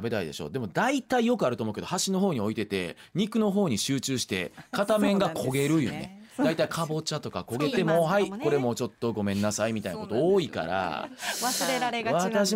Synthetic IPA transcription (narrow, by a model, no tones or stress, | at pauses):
be̞t̪aḭd̪e̞̰ɕo̞̰ːd̪e̞mo̞d̪ait̪aijo̞kɯ̟aɾɯt̪omoɯke̞d̪ohaɕino̞ɦo̞ːɲ̟io̞it̪e̞t̪e̞̰ɲ̟ikɯ̟no̞ɦo̞ːɲ̟iɕɨːt͡ɕɨːɕi̥t̪e̞̰kat̪amẽ̞ŋɡakʰo̞ɡe̞ɾɯ̟jɯ̟̰nḛd̪ait̪aikʰabo̞t͡ɕat̪o̞ka̰ko̞ɡe̞t̪e̞mo̞ɦaiko̞ɾe̞mo̞t͡ɕo̞t̪ːo̞ɡo̞mẽ̞nːasaimʲit̪ainakot̪o̞oːika̰ɾa̰seβat̪aɕ̬i